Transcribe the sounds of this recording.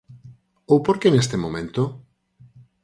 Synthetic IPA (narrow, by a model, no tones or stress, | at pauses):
owpoɾkenest̪emõmẽnt̪o